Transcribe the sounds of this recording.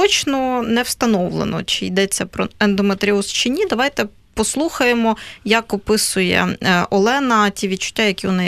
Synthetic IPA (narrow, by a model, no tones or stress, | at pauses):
ɔt͡ʃnɔnɛwst̪ɐnɔwlˠḛnɔ̰t͡ʃɪjd̪ɛt͡sʲːɐpɾɔɛnd̪ɔmet̪ɾʲiɔst͡ʃɪnʲːid̪ɐʋajt̪ɛ | pɔslˠuxɐjemɔjɐkɔpɪsʊjɛ̰ʔɔlˠɛnɐtʲiʋʲid̪̚t͡ʃʊ̥tʲːajɐkʲiʋɔnɪ